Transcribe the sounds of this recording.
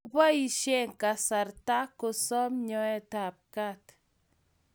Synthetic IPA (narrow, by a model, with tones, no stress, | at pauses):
pa˦i˨ʃe˦ŋka˨sa˨ɾta˦kɔ˨sɔ˦mɲɔ˦ɛ˦˨ta˨p̚ka˦t